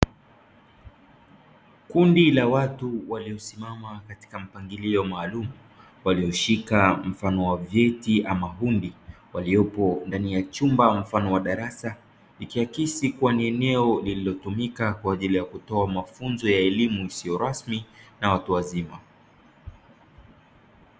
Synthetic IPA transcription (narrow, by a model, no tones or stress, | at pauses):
kundilawatuwaliɔsimamakati̥kam̩paŋɡiliɔmaːlumu | waliɔʃikam̩fanɔwavjɛtiʔamaɦundi | waliɔpɔndanijat͡ʃumbam̩fanɔwaɗaɾasa | likiakisikuwaniɛnɛɔlililɔtumikakwaːʄilijakutɔamafunzɔjaɛlimuisijɔɾasminawatuwazima